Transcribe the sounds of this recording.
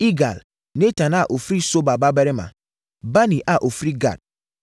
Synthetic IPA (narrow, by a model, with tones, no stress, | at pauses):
i˦ɡa̰˨l | ne˦ta˨na˦˨ʔo˨fɾi˦so˦ba˨ba˦bɛ˦ɾe˦ma̰˨ | ba˦nĩ˨ʔa˦˨ʔo˨fɾi˦ɡa̰˨d̚